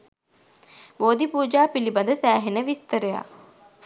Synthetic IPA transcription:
ʋoːd̪ipuːd͡ʒaːpilibad̪əsæːɦenəʋist̪əɾəja̰

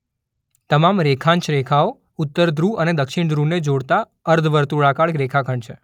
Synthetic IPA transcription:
t̪əmamɾekʰãnt͡ʃɾekʰao | ʊt̪ːəɾd̪ɾuəned̪əkʃiɳd̪ɾuned͡ʒoɽt̪a | əɾd̪ʱʋəɾt̪uɭakaɽɾekʰakʰəɳt͡ʃʰe

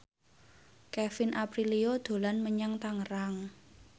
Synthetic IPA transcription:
kɛfɪnʔapɾiliod̪̥o̤lanməɲaŋt̪aŋəɾaŋ

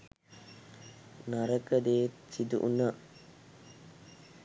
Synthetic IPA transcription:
naɾəkəd̪eːt̪t͡ʃid̪ṵʔunə

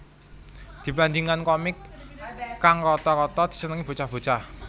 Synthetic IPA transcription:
d̪̥i̤pand̪iŋankɔmɪkː | aŋrɔt̪ɔɾɔt̪ɔd̪̥i̤̥sənəŋib̥o̤t͡ʃahb̥o̤t͡ʃah

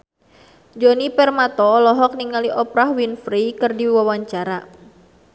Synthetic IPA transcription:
d͡ʒɔnipɛrmat̪ɔlɔɦɔk̚niŋaliʔɔpɾahwinfɾikɨrdiwawaɲt͡ʃaɾa

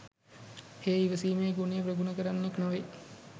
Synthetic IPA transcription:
heːiʋəsiːmejeɡunijəprəɡunəkəɾanːeknoʋe

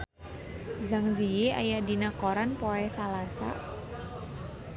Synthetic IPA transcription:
zaŋzijia̰jaʔdinakoɾanpoɛsalasa̰

